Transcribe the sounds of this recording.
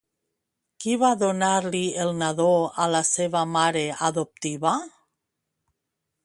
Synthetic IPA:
kiβaðonaɾlielˠnaðoalaseβamaɾeaðop̚t̪iβa

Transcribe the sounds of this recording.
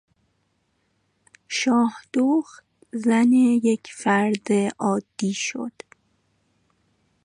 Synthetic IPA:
ʃɒːhd̪̥oːxt̪ | zænejecʰfæɾd̪eʔɒːd̪̥ːiːʃo̰d̪̥

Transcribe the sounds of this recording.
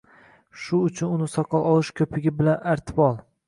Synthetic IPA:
ʃʊːt͡ʃʰʊnʊnɪsɒqʰɑlˠɒlˠɪʃkʰʲɵpʰɪɡʲɪbɪlanaɾt̪ʰɪ̥bɒlˠ

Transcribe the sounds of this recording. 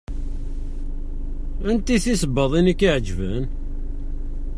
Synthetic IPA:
ənt̪iθisəbːəðˤinəkːiʕd͡ʒvə̰n

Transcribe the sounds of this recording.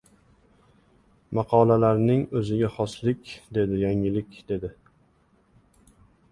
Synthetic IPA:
mɑqʰɒlalaɾnɪŋɵzɪɡʲaχɒslɪkʲd̪e̞d̪ɪjaŋɪlɪkʲd̪̥e̞d̪ɪ

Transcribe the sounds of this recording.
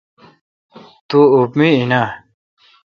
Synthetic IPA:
t̪uupmiina

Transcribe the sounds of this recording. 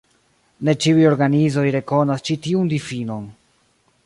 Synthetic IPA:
ne̞t͡ʃiujo̞ɾɡanizo̞jɾe̞ko̞nast͡ʃitiundifino̞n

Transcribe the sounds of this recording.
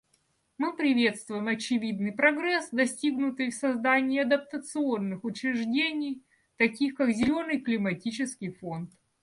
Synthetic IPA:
mɨpɾʲɪvʲe̞t̪st̪vʊjɪmɐt͡ɕɪvʲid̪nɨjpɾɐɡɾɛsd̪ɐsʲtʲiɡnʊt̪ɨjfsɐzd̪anʲɪːɐd̪ɐp̚t̪ət̪sɨo̞nːɨxʊt͡ɕɾʲɪʐdʲenʲɪj | t̪ɐkʲixkakzʲɪlʲo̞nɨjklʲɪmɐtʲit͡ɕɪskʲɪjfo̞nt̪

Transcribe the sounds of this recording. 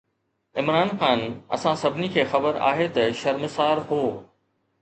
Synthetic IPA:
ɪmɾaːnxaːnɐ̰sãsɐbʱɪnikʰeːxɐbəɾa̰ːɦet̪ɐʃɐɾmɪsaːɾɦoː

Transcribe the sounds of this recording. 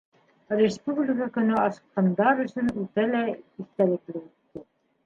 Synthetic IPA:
rʲɪspublʲɪkakɵ̆nɵɑsɤ̥̆qqɑnd̪ɑɾɵ̆sɵnʉt̪ælæiθt̪ælɘ̆klɘʉt̪ːɘ

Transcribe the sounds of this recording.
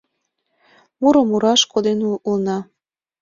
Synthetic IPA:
muɾəmuɾɑʃkod̪enulnɑ

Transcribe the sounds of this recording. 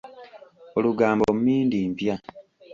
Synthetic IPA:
oluɡaːmbomumiːndimpja

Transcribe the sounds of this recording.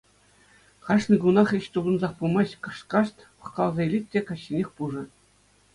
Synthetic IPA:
χɑʂnĭɡunɑχiɕt̪ubɤ̆nzɑχpulmɑɕkɑ̆ʂkɑʂt̪ʲpɤ̆χkɑlˠzɑilʲit̚ʲːekɑɕːinʲexʲpuʐɤ̆

